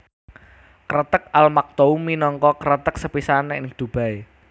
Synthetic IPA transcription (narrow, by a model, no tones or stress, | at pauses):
kəɾət̪ək̚almak̚t̪ouminɔŋkɔkəɾət̪ək̚səpisanɛnɪk̚d̪̥ṳb̥a̤e